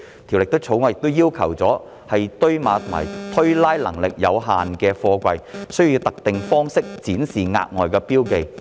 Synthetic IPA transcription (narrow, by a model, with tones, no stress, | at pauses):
t̪ʰi˨˩wlɪ˨k̚t̪o˥wt͡sʰo˨˥wŋɔː˨˧jɪ˨k̚t̪o˥wjiː˥wkʰɐ˨˩wt͡sɔː˨˥ | hɐ˨jt̪ɵ˥ɥmaː˨˧t̪ʰo˨˩ma̰ː˨˩jt̪ʰɵ˥ɥlaː˥jlɐ̰˨˩ŋlɪ˨k̚jɐ˨˧wɦaː˨nkɛː˧fɔː˧kʷɐ˧jsɵ˥jjiː˧wt̪ɐ˨k̚t̪ɪ˨ŋfɔː˥ŋsɪ˥k̚t͡siː˨˥nsiː˨˩ŋa̰ː˧k̚ŋɔː˨˩jkɛː˧piː˥wke˨j